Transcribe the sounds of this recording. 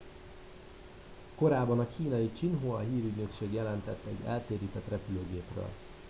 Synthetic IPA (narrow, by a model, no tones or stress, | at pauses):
ko̞ɾaːbːɒnɒkʰiːnɒjit͡ʃinɦoɒɦiːɾyɟnø̞kʃeːɡjɛlɛnt̪ɛt̪ːɛ̰ɟːɛ̰lt̪eːɾiːt̪ɛt̪rɛpyløːɡeːprø̰ːl